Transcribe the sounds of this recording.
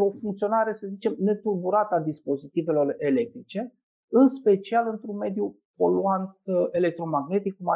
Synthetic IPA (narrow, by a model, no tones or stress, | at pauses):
o̞fuŋkt̪sio̞naɾe̞səzit͡ʃe̞mne̞t̪urbuɾat̪əad̪ispo̞zit̪ive̞lo̞re̞le̞k̚t̪ɾit͡ʃe̞ | ɨnspe̞t͡ʃialɨnt̪ɾunme̞d̪ju | po̞luant̪̚e̞le̞k̚t̪ɾo̞maɡne̞t̪ik̚ːkuma